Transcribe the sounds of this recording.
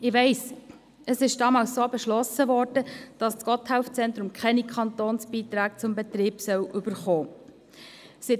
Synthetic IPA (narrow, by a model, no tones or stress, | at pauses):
ɪʋɛɪs | əsɪʃd̥ɑːmɑːlssoːbɛʃlɔsəʋɔɾdəd̥ɑst͡skɔt̪hæʊft͡sɛntɾʊmkʰχɛnikʰχɑnt̪oːnsb̥iːt̪ɾæːk̚t͡sʊmbɛtɾiːpsœwʔʏbəɾχɔː | sɪt